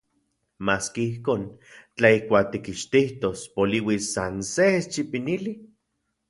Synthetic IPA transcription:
maːskiihkoːnt͡ɬaihkʷaːk̚t̪ikiʃt̪iht̪ospoliwisːanseest͡ʃipinili

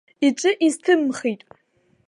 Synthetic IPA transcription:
it͡ʃʷʼɨʔiztʰɨmχitʼ

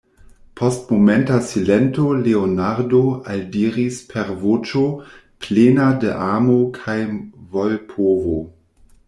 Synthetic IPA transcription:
pʰo̞stmomentasilentoleonaɾdoaldiːɾispʰeɾvot͡ʃo | plenadeʔaːmokʰajvolpʰovo

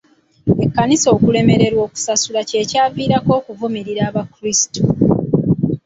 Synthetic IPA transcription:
e̞kːaniso̞ːkule̞me̞ɾe̞ɾwo̞ːku̥sasulaceːcaːviːɾako̞ːkuvumiɾiɾaːβakɾisi̥to

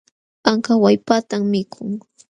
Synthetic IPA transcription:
aŋkawajpat̪ammɪkʰʊŋ

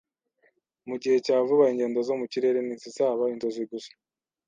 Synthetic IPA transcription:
muɟihe̞caːvuβaeɲɟe̞ːndozo̞muciɾe̞ɾe̞niːsisaːβainzo̞ziɡusḁ

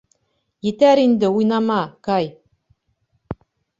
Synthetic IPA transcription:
jɘ̆t̪æɾind̪ɘujnɑmɑkɑj

